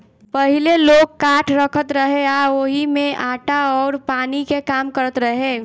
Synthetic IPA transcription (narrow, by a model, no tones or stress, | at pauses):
pəɦɪleloːɡ̚kaːʈʰɾəkʰət̪ɾəɦeaoɦimẽʔaːʈaɔːɾpaːnikekaːmkəɾət̪ɾəɦẽː